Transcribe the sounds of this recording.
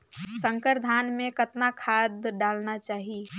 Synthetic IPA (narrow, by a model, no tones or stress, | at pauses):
sə̃ŋkəɾd̪ʱaːnmẽkət̪nakʰad̪ɖalnat͡ʃaːɦi